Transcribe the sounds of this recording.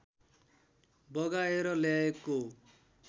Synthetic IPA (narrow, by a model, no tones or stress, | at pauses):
bɔɡaeɾɔlɛeko